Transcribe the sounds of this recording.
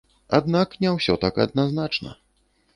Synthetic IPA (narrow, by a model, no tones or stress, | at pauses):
ad̪naknʲɛwsʲɔt̪akɐ̰d̪naznat͡ʂnɐ̰